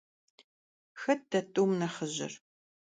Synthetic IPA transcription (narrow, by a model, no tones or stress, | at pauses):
xɐt̚dɐtʼuwmnɐχəʑɪ̰r